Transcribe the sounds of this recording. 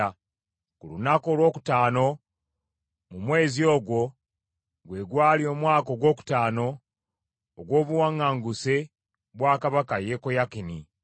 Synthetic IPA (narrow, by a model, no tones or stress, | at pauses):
kulunako̞ːlwo̞ːku̥taːno̞ | mumwe̞ːzio̞ːɡwo̞ | ɡwe̞ːɡwaːlio̞ːmwaːko̞ɡwo̞ːku̥taːno̞ː | ɡwo̞ːβuwaŋːaːŋɡuse̞ | βwaːkaβakaje̞kojakini